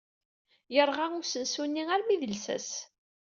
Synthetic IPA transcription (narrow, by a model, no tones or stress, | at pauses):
jəɾˤʁaʊsənsunːiæɾmiðəlsæ̰s